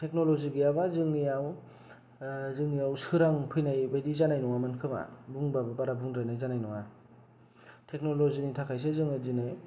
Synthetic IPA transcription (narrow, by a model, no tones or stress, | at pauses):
tʰek̚nolɔziɡiaβazɯŋniaw | zɯŋniawsɯɾaŋpʰɯjnajbajdizanajnɔŋamankʰɯma̰buŋbabɯpaɾabuŋdɾajnajzanajnɔŋa | tʰek̚nolɔzinitʰakʰajs̬ezɯŋadinɯj